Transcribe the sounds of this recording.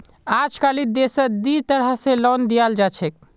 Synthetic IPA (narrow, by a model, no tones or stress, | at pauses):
ad͡ʒkalid̪esəd̪it̪əɾasẽlɔnd̪ijald͡ʒat͡ʃʰɛk̚